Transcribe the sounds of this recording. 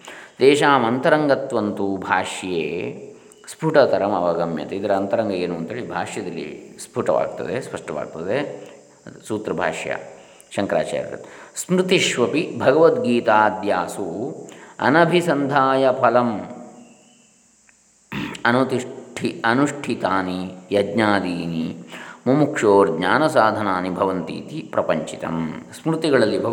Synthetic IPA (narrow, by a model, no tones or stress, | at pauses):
d̪eːʃaːmɐnt̪ɐɾɐŋɡɐt̪ʋɐnt̪ubʱaːʂjeː | spʰuʈɐt̪ɐɾɐmɐ̰ʋɐɡɐmjɐ̰t̪eid̪ɐɾɐɐnt̪ɐɾɐŋɡɐeːnuːʋɐnt̪eːɭibʱa̰ːʂjɐd̪ɐlːḭspʰuʈɐʋa̰ːɡ̚t̪ɐ̰d̪espɐʂʈɐʋa̰ːɡ̚t̪ɐd̪e | suːt̪ɾɐbʱa̰ːʂja̰ | ʃɐŋkɾa̰ːt͡ʃa̰ːɾɐt̪ɐ̰t̪smɾɨt̪iʃʋɐpibʱɐɡɐʋɐt̪ɡiːt̪aːd̪jaːsu | ɐ̰nɐbʱisɐnd̪ʱaːjɐpʰɐlɐm | ɐnut̪iʂʈʰiɐnuʂʈʰit̪aːnijɐd̪ɲaːd̪iːnimumukʂoːɾɡɲaːnɐsaːd̪ʱɐnaːnibʱɐʋɐnt̪ḭːt̪ipɾɐpɐɲt͡ʃit̪ɐ̰msmɾut̪iɡɐɭɐlːibʱɐ